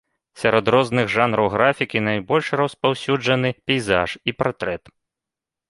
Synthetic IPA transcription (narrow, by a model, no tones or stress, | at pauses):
sʲɐɾɔd̪ɾɔznɨɣʐanɾɐwɣɾafʲikʲinajbɔlʲʂrɐspawsʲud͡ʐɐn̪ɨpʲɛjza̰ʂipat̪ɾɛt̪